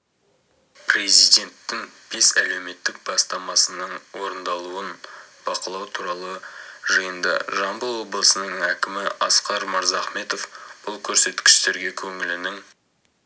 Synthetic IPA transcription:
pre̞zijd̪e̞nt̪ːɪŋb̥e̞sæle̞wme̞t̪ːɪk̚bɑst̪ɑmɑsənəɴwo̞ɾənd̪ɑlˠuənb̥ɑqəlˠɑwt̪ʰuɾɑlˠəʒəjənd̪ə̰ʒɑmbəlˠwo̞blˠəsənəɴækʲɪmɪɑsqɑɾmɑɾzɑχme̞t̪o̞fb̥ʊlˠkʲʰɵɾse̞t̪kʲɪ̥ʃt̪e̞ɾɡʲe̞kʲʰɵŋɪlɪnɪŋ

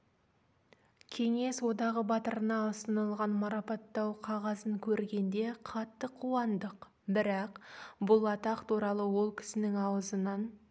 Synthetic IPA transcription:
kʲʰe̞ŋe̞swo̞d̪ɑʁəbɑt̪əɾənɑəst̪ənəlˠʁɑnmɑɾɑpɑt̪ːɑwqʰɑʁɑzəŋkʲʰɵɾɡʲe̞nd̪e̞qʰɑt̪ːəqʰːuwɑnd̪əq | bɪɾɑqbʊlˠɑt̪ɑqt̪ʰuɾɑlˠəwo̞lˠkʲʰɪ̥sɪnɪŋɑwəzənɑn

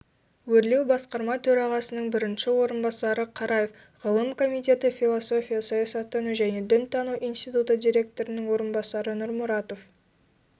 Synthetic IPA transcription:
wɵɾle̞wbɑsqɑɾmɑt̪ʰɵɾɑʁɑsənəɴbɪɾɪnʃɪwo̞ɾənbɑsɑɾəqʰɑɾɑje̞f | ʁ̥əlˠəmkʰo̞mijt̪ʲe̞t̪ɪfʲilˠo̞so̞fʲijasɑjɑsɑt̪ʰːʏnuʒæne̞d̪ʏnt̪ʰɑnuʔinst̪ijt̪ut̪əd̪ijɾʲe̞k̚t̪o̞ɾɪnɪŋwo̞ɾənbɑsɑɾənʊɾmʊɾɑt̪o̞f

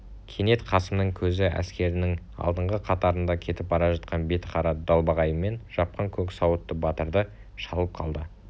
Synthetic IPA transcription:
kʲʰe̞ne̞t̪qʰɑsəmnəŋkʲʰɵzɪʔæ̰skʲe̞ɾɪnɪŋ | ɑ̰lˠd̪əɴʁəqʰɑt̪ɑɾənd̪ɑkʲʰe̞t̪ɪp̚bɑɾɑʒɑt̪̚qɑnbe̞t̪qʰɑɾɑd̪ɑlˠbɑʁɑjəme̞nʒ̥ɑp̚qɑŋkʲʰɵksɑwət̪ːəbɑt̪əɾd̪ə | ʃɑlˠəp̚qʰɑ̰lˠd̪ə

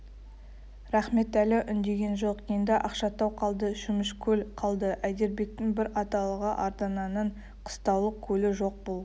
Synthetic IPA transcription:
ɾɑχme̞t̪ælɪʔʏnd̪e̞ɡʲe̞nʒoqijənd̪ɑʔɑqʃɑt̪ɑwqʰɑlˠd̪əʒ̥ʏmɪʃkʲʰɵlqʰɑlˠd̪əʔæjd̪e̞ɾbe̞k̚t̪ɪŋbɪɾɑt̪ɑlˠəʁəʔɑɾt̪ɑnɑnəɴ | qʰə̥st̪ɑwlˠəq̚kʲʰɵlɪʒo̞q̚bolˠ

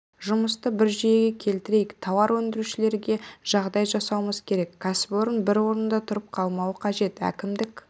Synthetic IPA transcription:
ʒʊməst̪əbɪɾʒijeɡʲe̞kʲʰe̞lt̪ɪɾe̞jɪkt̪ʰɑwɑɾwɵnd̪ɪɾuʃɪle̞ɾɡʲe̞ʒ̥ɑʁd̪ɑjʒɑsɑwəməz̥kʲʰe̞ɾe̞kːʰasɪ̥po̞ɾənbɪɾwo̞ɾənd̪ɑt̪ʰʊɾəp̚qʰɑlˠmɑwəqʰɑʒe̞t̪æ̰kʲɪmd̪ɪk

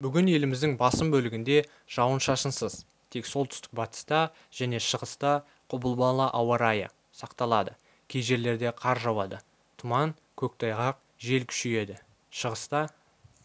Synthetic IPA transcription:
bʏɡʲɪnje̞lɪmɪzd̪ɪŋbɑsəmbɵlɪɡʲɪnd̪e̞ | ʒ̥ɑwənʃɑʃənsəz̥ | t̪ʰe̞kso̞lˠt̪ʰʏ̥st̪ɪ̥k̚bɑt̪ʲɪ̥st̪ɑ | ʒ̥æne̞ʃəʁəst̪ɑ | qʰʊbəlˠbɑlˠɑʔɑwɑɾɑjə̰ | sɑqt̪ɑlˠɑd̪ə | kʲʰejʒe̞ɾle̞ɾd̪e̞qʰɑɾʒɑwɑd̪ə | t̪ʰʊmɑŋ | kʲʰɵk̚t̪ʰɑjʁɑq̚ | ʒe̞lkʲʰʏ̥ʃeje̞d̪ɪ | ʃəʁəst̪ɑ

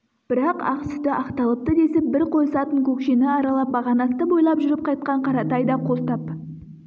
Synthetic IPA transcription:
b̥ɪɾɑqɑ̰qsʏ̥t̪ɪʔɑqt̪ɑlˠəp̚t̪əd̪e̞sɪp̚bɪɾqʰo̞jsɑt̪əŋkʲʰɵkʃenɪɑɾɑlˠɑp̚bɑʁɑnɑst̪əbo̞jlˠɑpʒʏɾɪp̚qʰɑjt̪̚qɑɴqʰɑɾɑt̪ɑjd̪ɑqʰo̞lt̪ɑp

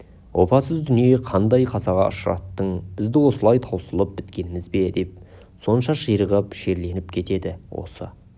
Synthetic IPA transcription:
wʔo̞pɑsəzd̪ʏnijeqʰɑnd̪ɑjqʰɑzɑʁɑ̰ʔʊ̰ʃəɾɑ̰t̪ːəɴb̥ɪzd̪ɪwo̞səlˠɑjt̪ʰɑwsəlˠəp̚bɪt̪kʲe̞nɪmɪzbe̞d̪e̞p̚ | so̞nʃɑʃəjɾəʁəpʃe̞ɾle̞nɪpkʲʰe̞t̪e̞d̪ɪwo̞̰sə̰

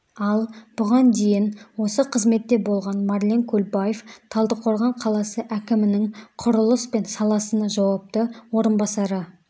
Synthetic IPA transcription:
ɑlˠb̥ʊʁɑnd̪e̞jɪnwo̞səqʰəzme̞t̪ːe̞bo̞lˠʁɑnmɑɾlʲeŋkʲʰɵlbajeft̪ʰɑlˠd̪əqʰo̞ɾʁɑɴqʰɑlˠɑsəʔækʲɪmɪnɪŋqʰʊɾʊlˠəspe̞nsɑlˠɑsənɑʒɑwɑp̚t̪əwo̞ɾənbɑsɑɾə

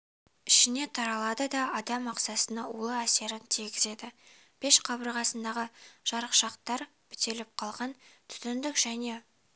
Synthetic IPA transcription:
ɪʃɪne̞t̪ʰɑɾɑlˠɑd̪əd̪ɑɑd̪ɑmɑqsɑsənɑulˠəæse̞ɾɪnt̪ʰiɡʲɪze̞d̪ɪ | b̥e̞ʃqʰɑbəɾʁɑsənd̪ɑʁəʒ̥ɑɾəqʃɑqt̪ɑɾ | bɪ̥t̪e̞lɪp̚qʰɑlˠʁɑnt̪ʰʏ̥t̪ɪnd̪ɪkʒ̥æne̞

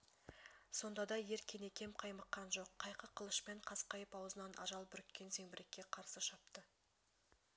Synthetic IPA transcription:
so̞nd̪ɑd̪ɑje̞ɾkʲʰene̞kʲʰe̞mqʰɑjməqːɑnʒo̞qʰːɑjqəqʰəlˠəʃpe̞ɴqʰɑsqɑjəpɑwəzənɑnʔɑ̰ʒɑlˠbʏɾɪk̪ʲːe̞nze̞ŋbɪɾekʲːe̞qʰɑɾsəʃɑp̚t̪ə

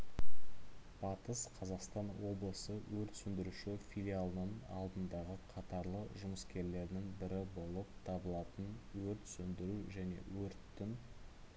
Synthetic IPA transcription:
b̥ɑt̪əsqʰɑzɑqst̪ɑnwo̞blˠəsəwɵɾt̪sʏnd̪ɪɾuʃɪfʲilʲijalˠənəɴɑ̰lˠd̪ənd̪ɑʁəqʰɑt̪ɑɾlˠəʒʊməskʲʰe̞ɾle̞ɾd̪ɪŋbɪɾɪbo̞lˠəp̚t̪ʰɑbəlˠɑt̪ənwɵɾt̪sɵnd̪ɪɾuʒæne̞̰wɵɾt̪ːɪn

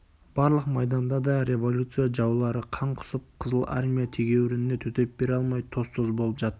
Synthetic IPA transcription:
b̥ɑɾlˠəqmɑjd̪ɑnd̪ɑd̪ɑɾe̞vo̞lʲut̪sɨjaʒɑwlˠɑɾəqʰɑɴqʰʊ̥səp̚qʰəzəlˠa̰ɾmʲijat̪ʰe̞ɡʲe̞wɪɾɪnet̪ʰɵt̪e̞p̚b̥e̞ɾɑlˠmɑjt̪ʰo̞st̪ozbo̞lˠəpʒɑt̪ː

